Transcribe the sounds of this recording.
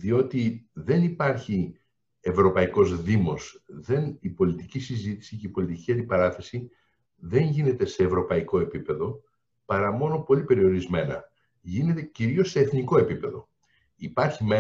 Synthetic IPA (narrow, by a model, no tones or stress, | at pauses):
ðio̞t̪iðe̞nipɐɾçi | e̞vɾo̞pɐiko̞zðimo̞sðe̞nipo̞lit̪icisizit̪i̥siceipo̞lit̪iciɐnd̪ipɐɾɐθe̞si | ðe̞ɲʝine̞t̪e̞se̞ːvɾo̞pɐiko̞e̞pipe̞ðo̞ | pɐɾɐmo̞no̞po̞lipe̞ɾio̞ɾizme̞nɐ̰ | ʝine̞t̪e̞ciɾio̞sːe̞ːθniko̞e̞pipe̞ðo̞ | ipɐɾçime